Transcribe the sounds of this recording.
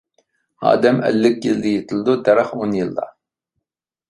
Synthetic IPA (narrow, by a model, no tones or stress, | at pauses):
ɑ̰ːd̪ɛmʔɛ̰lːɪkʲjild̪ɪjet̪ʰɪlˠd̪ud̪ɛɾæχonjilˠːɑ̰